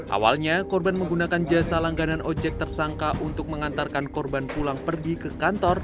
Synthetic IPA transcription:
ʔa̰wa̰lɲakɔrbanməŋɡunakand͡ʒasalaŋɡananʔɔd͡ʒɛk̚t̪ərsaŋkaʔunt̪ʊk̚məŋant̪arkankɔrbanpulaŋpərɡikəkant̪ɔr

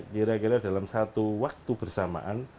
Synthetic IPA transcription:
ɡiɾaɡiɾadalamsat̪uwak̚t̪ubərsama̰ʔan

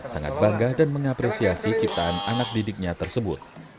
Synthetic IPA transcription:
saŋa̰t̪̚baŋɡahdanməŋapɾesiasit͡ʃip̚t̪aːnanak̚didɪk̚ɲat̪ərsəbʊt̪̚

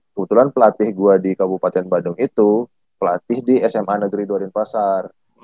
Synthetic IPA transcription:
kəbət̪ulanpəlat̪ɪhɡuadikabupat̪ɛnbadʊŋit̪u | pəlat̪ɪhdiɛsɛmanəɡɾiduadɪnpasar

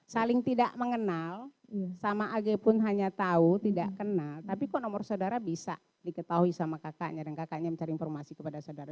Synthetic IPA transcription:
salɪŋt̪idaʔməŋənal | samaʔːɡepʊnɦaɲat̪aut̪idaʔkənalt̪apikɔʔnɔmɔrsaudaɾabisa̰ | dikət̪aɦuisamakakaʔɲadankakaʔɲaməɲt͡ʃaɾiinfɔrmasikəpadasaudaɾa

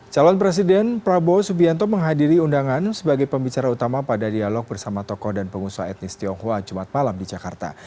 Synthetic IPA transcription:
t͡ʃalɔnpɾes̬idɛnpɾabosubiant̪ɔməŋɦadiɾiundaŋansəbaɡajpəmbit͡ʃaɾaut̪amapadadialɔk̚bərsamat̪ɔkɔhdanpəŋusua̰ɛt̪̚nɪst̪iɔŋhoad͡ʒumat̪̚malamdid͡ʒaka̰rt̪a̰

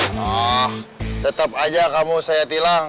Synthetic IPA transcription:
naht̪ət̪ap̚ad͡ʒakamusajat̪ilaŋ

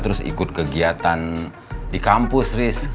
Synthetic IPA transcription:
t̪əɾʊsḭkʊt̪̚kəɡiat̪an | dikampʊsrɪs

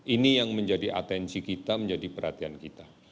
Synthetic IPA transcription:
ʔinijaŋməɲd͡ʒadiʔa̰t̪ɛnsikit̪aməɲd͡ʒadipərhat̪iankit̪a

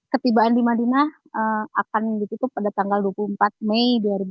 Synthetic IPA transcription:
kət̪ibaʔandimadinah | əakanɡit̪ut̪upadat̪aŋɡalduwapuəmpat̪̚mejdiaɾib

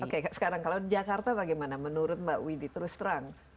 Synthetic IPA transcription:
okesə̥kaɾaŋkalawdid͡ʒakart̪abaɡajmanamənuɾʊt̪̚maʔwidit̪əɾʊst̪ɾaŋ

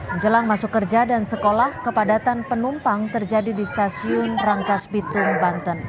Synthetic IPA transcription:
məɲd͡ʒəlaŋmasʊkːərd͡ʒadansəkolahkəpadat̪anpənumpaŋt̪ərd͡ʒadidist̪asiʊnraŋkasbit̪ʊŋbant̪ən

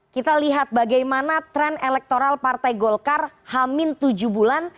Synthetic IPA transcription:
kit̪aliɦat̪̚baɡajmanat̪ɾɛnelɛk̚t̪oɾalpart̪ajɡɔlkarhamɪnt̪ud͡ʒubulan

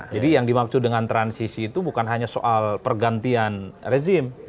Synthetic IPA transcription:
d͡ʒadijaŋdimak̚sʊdəŋant̪ɾansisiːt̪ubukanɦaɲasoʔalpərɡant̪ianrezɪm

